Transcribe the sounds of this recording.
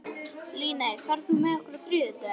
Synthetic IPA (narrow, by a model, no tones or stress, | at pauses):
liːnajfaɾðhumɛðɛhkʏɾat̪ɾʏːðɪt̪a